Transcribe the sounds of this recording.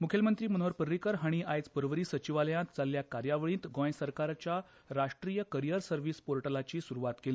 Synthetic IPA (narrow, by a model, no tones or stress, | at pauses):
mukʰjəlmənt̪ɾiːmənoɾpəɾːikəɾɦəɽ̃iʔajt͡spəɾʋəɾiːsət͡ɕiʋaljãnt̪̚t͡salːjakaɾjaʋəɭĩːnt̪ɡɔ̃jsəɾkaɾt͡ɕja | ɾaʂʈɾijəkəɾijəɾsəɾʋiːspoɾʈəlat͡ɕiːsuɾuʋat̪keli